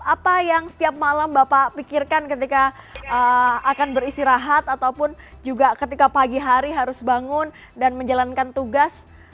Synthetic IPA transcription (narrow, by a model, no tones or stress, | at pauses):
apajaŋsə̥t̪iap̚malambapapikirkankət̪̬ika | əakanbəɾist̪iɾaɦat̪at̪awpʊnd͡ʒuɡakət̪ikapaɡiɦaɾiɦaɾʊsbaŋʊn | danməɲd͡ʒalankant̪uɡas